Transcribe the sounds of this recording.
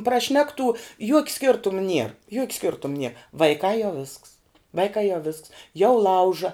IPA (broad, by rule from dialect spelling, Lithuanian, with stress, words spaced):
prɐˈʃʲnʲæːktuː juɔkʲ ˈsʲkʲɪrtʊm nʲiɛr juɔkʲ ˈsʲkʲɪrtʊm nʲiɛ ʋɐɪˈkɑː jɛʊ ʋʲɪsks ˈʋɐɪkɑː jɛʊ ʋʲɪsks jɛʊ ˈlˠɐʊʒɐ